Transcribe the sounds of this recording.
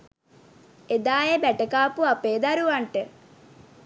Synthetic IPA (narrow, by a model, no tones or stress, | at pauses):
ed̪aːjebæʈəkaːpuapeːd̪aɾuʋaɳʈə